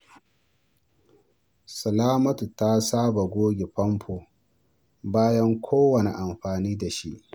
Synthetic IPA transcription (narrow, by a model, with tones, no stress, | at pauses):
sɐ˨laː˦mɐ˦tu˨ta˦saː˦ba˨ɡʷoː˦ɡʲe˨ɸɐ˦mɸʰo˨ | baː˦jɐ˦ŋkʷʰoː˦wɐ˨ne˨ʔa˨mɸaː˨niː˦da˨ʃḭ˦ʔ